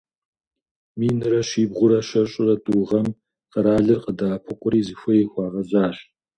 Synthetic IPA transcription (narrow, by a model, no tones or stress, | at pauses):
miːnɨɾɐʃiːbʁʷʊɾɐʃɐɕʼɪrɐtʼuːʁɐm | qəɾaːɮɨrqʼədaːpʰɨqʷʼʊɾiːzɨxʷɐjɛxʷɑːʁɐzaːɕ